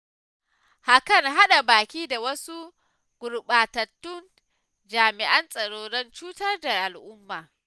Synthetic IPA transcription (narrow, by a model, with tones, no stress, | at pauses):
ha˨kɐ˦˨ŋɦa˦ɗa˨baː˨kʲiː˦da˨wɐ˦su˦ | ɡ̥ʷʊ˨ɾɓaː˨tɐ˨tːʊ˦n | d͡ʒaː˨mɪ˨ʔɐ˦nsʼɐ˨ɽoː˨ɽɐ˦nt͡ʃuː˦tɐ˦rda˨ʔa˨lʔʊ˦mːaː˨